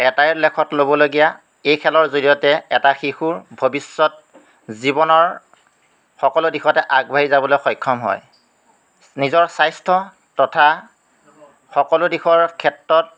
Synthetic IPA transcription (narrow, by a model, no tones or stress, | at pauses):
ɛtajlɛkʰɔtlobɔloɡija | ejkʰɛlɔɹzolijɔtɛɛtaxixuɹbʱobisːɔt̚ | zibɔnɔɹ | xɔkɔlʊdixɔtɛʔaɡbʱaɦizabɔlojxɔjkʰːɔmɦɔ̰j | nizɔɹsajstʰɔ | tɔtʰa | xɔkɔlʊdixɔɹkʰɛtɹɔt̚